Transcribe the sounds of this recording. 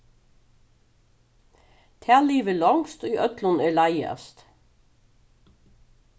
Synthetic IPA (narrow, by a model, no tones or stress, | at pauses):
t̪ʰæːliːʋəlɑŋst̪oiːʔœt̪lʊnæːlæɪɑ̰st̪